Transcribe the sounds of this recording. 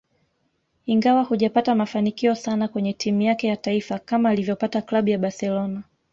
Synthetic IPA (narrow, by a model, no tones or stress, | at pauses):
iŋɡawahuʄapatamafanikiɔsanakwɛɲɛtimujakɛjataifakamaːlivjɔpataklaɓujaɓasɛlɔna